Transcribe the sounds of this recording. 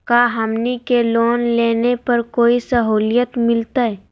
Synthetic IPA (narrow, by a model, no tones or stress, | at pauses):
kaːɦɐmnikeloːnleːnepɐɾkoːisɐɦuːlijət̪mɪlt̪aɦɛ